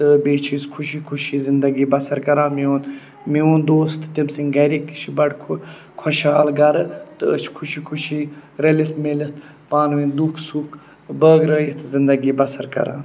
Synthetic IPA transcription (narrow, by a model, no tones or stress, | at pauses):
t̪ɨbeːt͡ʃʰiskʰuʃikʰuʃiːzɪnd̪ɐɡiːbɐsɐɾkɐɾaːmeun | miʋund̪oːst̪ʰt̪imsiŋɡɐɾik̚t̪i̥ʃʰibɐɖkʰu | kʰɐʃaːlɡɐɾɨt̪ɨət͡ʃʰkʰuʃʰikʰuʃiːɾɐlit̪ʰmelət̪ | paːnʋiːnd̪ukʰsuːkʰ | bəːɡɾəːjit̪zɪnd̪ɐɡiːbɐsɐɾkɐ̰ɾã̰ːn